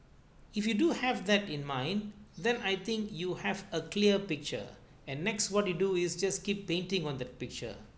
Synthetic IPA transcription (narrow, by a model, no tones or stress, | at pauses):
ɪfjuduhɛvd̪ɛtɪ̃nmãɪ̃nd̪ɛ̃najt̪ɪ̃ŋkjuhɛvəkliəpɪk̚t͡ʃə̰ | ɛ̃nːɛkswɔtjuduɪsd͡ʒaskipːẽntɪ̃ŋɔ̃nd̪ɛt̚pɪk̚t͡ʃə̰